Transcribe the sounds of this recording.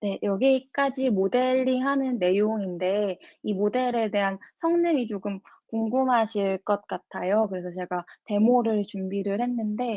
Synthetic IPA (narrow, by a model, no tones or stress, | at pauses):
ne̞jʌɡik͈ad͡ʑimode̞ʎːiɦanɯnːe̞joŋinde̞imode̞ɾe̞de̞ɦansʰʌŋɲɯŋit͡ɕoɡɯmkuŋɡumɦaɕʰiɭk͈ʌt̚k͈atʰajokɯɾe̞sʰʌt͡ɕe̞ɡate̞moɾɯɭt͡ɕumbiɾɯɭhe̞nːɯnde̞